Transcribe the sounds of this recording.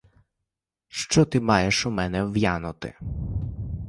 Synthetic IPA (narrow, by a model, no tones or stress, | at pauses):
ʃt͡ʃɔt̪ɪmɑjɛʃʊmɛnɛwjanʊt̪ɪ̰